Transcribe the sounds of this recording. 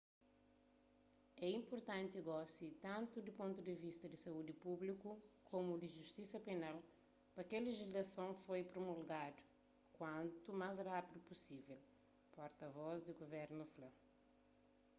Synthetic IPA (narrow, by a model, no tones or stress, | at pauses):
ɛĩmpoɾt̪ɐ̃nt̪iɡɔsit̪ɐ̃nt̪ud̪ipõnt̪ud̪ɪvist̪ɐd̪isɐud̪ipublikukʰomud̪iʒust̪isɐpenal | pɐkɐleʒizlɐsɐ̃w̃fojpɾomulɡad̪u̥ | kwɐ̃nt̪umazrapid̪upusivɛl | pɔɾt̪ɐvɔzd̪iɡovɛɾnuflɐ̃